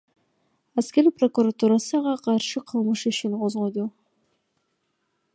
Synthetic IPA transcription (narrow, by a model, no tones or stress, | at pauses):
æskʲeɾipro̞kuɾat̪uɾɑsəʁɑqʰɑɾʃəqʰəlˠməʃiʃɪnqʰozʁojd̪u